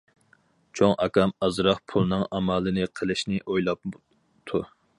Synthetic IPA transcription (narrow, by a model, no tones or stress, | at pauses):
t͡ʃʰoŋʔɑkɑmɑzɾɑχpʰulˠnɨŋɑmɑːlˠɨnɨqʰəlˠɨʃnɪʔojlˠɑp̚ | t̪ʰu